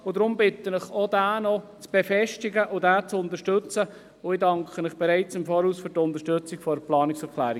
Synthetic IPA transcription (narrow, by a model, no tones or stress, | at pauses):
ʊdɾʊmbɪtːənɪχodæːnɔt͡sb̥efɛʃtiɡəʔʊdæːt͡sʊnt̪əʃtɵt͡sə | ʊɪdɑŋkχənɪχb̥eɾɛɪt͡sɪmfoːɾhuːsfyɾtʊnt̪əʃtɵt͡siɡfɔɾplɑːnɪksɛɾklæːɾi